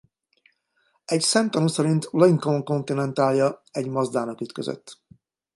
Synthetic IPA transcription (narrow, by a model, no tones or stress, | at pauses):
ɛcsɛmt̪ɒnusɛɾint̪loiŋkoŋko̞nt̪inɛnt̪aːljɒɛɟmɒzd̪aːnɒkyt̪kø̰zø̰t̪ː